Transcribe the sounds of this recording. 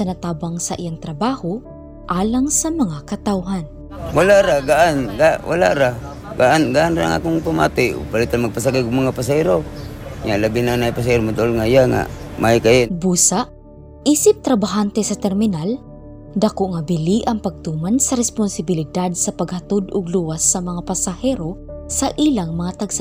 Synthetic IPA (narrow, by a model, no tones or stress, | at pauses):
sɐnɐt̪aːbaŋsɐʔijaŋt̪ɾɐbaːho | ʔaːlaŋsɐmɐŋakɐt̪awɦan | walaʔɾaɡaʔanɡawʔa̰la̰ʔɾa | ɡaʔanɡaʔanɾaa̰ŋa̰koŋpama̰t̪ɪ̰palɪt̪anmaɡ̚pas̬aɡajɡʊmaŋapas̬aiɾoɲaʔlabinanajpas̬aiɾomad̪oʔolŋajaŋa̰majkajebuːsaʔ | iːsɪp̚t̪ɾɐbaɦant̪ɛsɐt̪ɛɾmɪnal | d̪akoʔŋɐbɪliʔɐŋpɐɡ̚t̪uːmansɐɾɛspʊnsɪbɪlɪd̪ad̪̚sɐpɐɡhɐt̪od̪ʊɡluwasːɐmɐŋapɐsɐhɛɾosɐʔilaŋmɐŋat̪aɡsa